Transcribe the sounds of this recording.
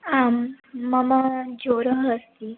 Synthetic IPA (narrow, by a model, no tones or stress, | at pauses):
amː | əmad͡zoɾəɦəst̪i